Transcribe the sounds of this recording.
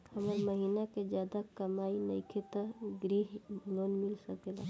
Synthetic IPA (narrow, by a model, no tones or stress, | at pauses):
həməɾməɦinaked͡ʒjaːd̪akəmaːinə̰ɪkʰet̪əɡɾiɦbʱloːnmilsəkela